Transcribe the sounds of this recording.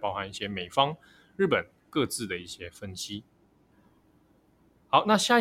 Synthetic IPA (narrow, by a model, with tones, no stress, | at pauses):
pɑ˥˧ʊxa˧˥ni˥˩ɕjɛ˦me˨˩ɪfɑ˦ŋ | ɻ̩˥˩pə˨˩n | kɤ˥˧t͡sɹ̩˥˨˩d̪ə˩i˥˩ɕjɛ˦fə˦nɕi˦ | hɑ˨˦ʊna˥˧ɕja˥˧